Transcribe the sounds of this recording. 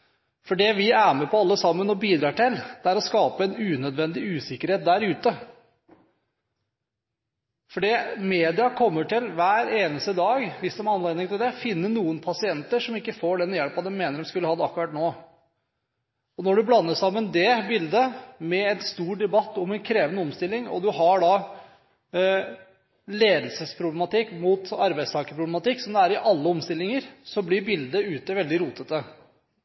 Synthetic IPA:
fɔɖɛʋɪæːɾmɛpʰɔɑlːəsɑmːənɔbiːd̪ɾɑːʈɪld̪̥ɛæɾɔskɑːpəɛnʉːnœd̪ʋɛnd̪ɪʉːsɪkːəɾheːt̪̚d̪æɾʉːt̪ə | fɔɖimeːd̪ɪɑkʰɔmːəʈɪlʋæːɾeːnəst̪əd̪ɑːɡʋɪsd̪ɛmæɑnleːd̪nɪŋt̪ɪld̪ɛfɪnːənuːənpʰɑsɪɛnt̪əʂɔmɪkːəfoːɖɛnjɛlpɑt̪ːɛmmeːnəɖɛmskʉlːəhɑd̪əɑkːʉɾɑt̪noː | ɔnɔɖʉblɑnːəsɑmːənd̪ɛbɪld̪əmɛɛnst̪uːɖ̪ɛbɑt̪ːɔmɛnkʰɾeːʋənɔmst̪ɪlːɪŋɔ̰d̪ʉɦɑɖɑ | leːd̪əl̩səspʰɾʊblɛmɑt̪ɪkːmuːt̪ɑɾbæɪd̪st̪ʰɑːkəpʰɾʊblɛmɑt̪ɪkːsɔmd̪ɛæɾɪʔɑlːəɔmst̪ɪlːɪŋəɾsɔblɪɾbɪld̪əʉːt̪əʋɛld̪ɪɾuːt̪ət̪ə

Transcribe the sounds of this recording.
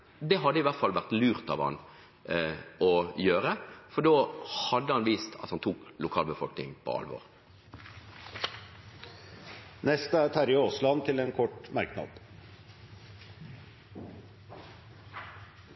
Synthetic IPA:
d̪ɛɦɑd̪ːəɪʋæʁt̪fɑlʋæʁt̪lʉːʁt̪ɑ̰ʋhɑ̰n | ɔjøːʁəfɔɖoːhɑd̪ːəhɑnʋiːst̪ʰɑ̰t̪hɑnt̪ʰuːklʊkʰɑːlbəfɔlknɪŋpʰɔ̰ɑ̰lʋɔ̰ːʁ | nɛst̪əæːɾt̪ʰæɾɪoːslɑnt̪ʰɪleːnkʰɔʈmæɾknɑ̰d̪̥

